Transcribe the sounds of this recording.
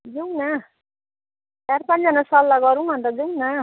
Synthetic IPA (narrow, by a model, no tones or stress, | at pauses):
d͡zuŋna | tarpand͡zʌnasʌlːaɡʌɾũbʱʌnt̪ʌd͡zuŋna